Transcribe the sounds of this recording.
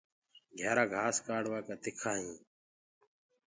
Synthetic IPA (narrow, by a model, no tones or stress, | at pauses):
ɡʱɛːɾaːɡʱaːskaːɽʋaːkaːt̪ɪkʰaːɦĩː